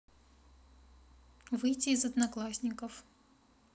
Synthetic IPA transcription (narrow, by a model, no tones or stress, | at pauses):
vɨjtʲiːzɐd̪nɐklˠasʲnʲɪkəf